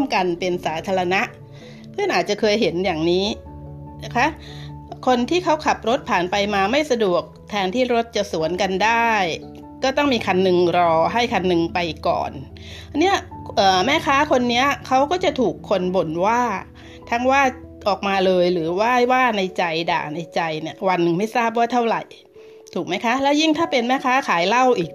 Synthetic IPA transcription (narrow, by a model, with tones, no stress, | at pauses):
ə˨mka˧npe˧nsaː˩˦t̪ʰaː˧ɾa˧na˦˥ʔ | sʰɯ˥˩ŋʔaː˨˩t̪̚t͡ɕa˨˩kʰɤː˧jɦe˩˦njaː˨˩ŋniː˦˥ | kʰa˦˥ | kʰo˧nt̪ʰiː˥˩kʰa˦˥wkʰa˨˩p̚ɾo˦˥t̪̚pʰaː˨˩npa˧jmaː˧ma˥˩jsa˧du˨˩ək̚t̪ʰɛː˧nt̪ʰiː˥˩ɾo˦˥t̪̚t͡ɕa˨˩su˨˩˦ənka˧ndaː˥˩j | kɔː˥˩t̪ɔ˥˩ŋmiː˧kʰa˧nːɯ˧ŋɾɔː˧ɦa˥˩jkʰa˧nːɯ˧ŋpa˧jkɔ̰ː˨˩n | ni˦˥ɐʔəː˨˩mɛː˥˩kʰaː˦˥kʰo˧nːi˦˥ɐkʰa˦˥wkɔː˥˩t͡ɕa˨˩t̪ʰuː˨˩kʰːo˧nbo˨˩nwaː˥˩ | t̪ʰa˦˥ŋwaː˥˩ʔɔː˨˩k̚maː˧lɤː˧jɾɯː˩˦waː˥˩jwaː˥˩na˧jt͡ɕa˧jda̰ː˨˩na˧jt͡ɕa˧jni˥˩ɐwa˧nːɯ˨˧ŋma˥˩jsaː˥˩p̬̚waː˥˩t̪ʰa˥˩wɾa˨˩j | t̪ʰuː˨˩k̚ma˦˥jkʰa˦˥lɛː˦˥wji˥˩ŋt̪ʰaː˥˩pe˧nmɛː˦˥˩kʰaː˦˥kʰaː˩˦jla˥˩wʔiː˨˩k̚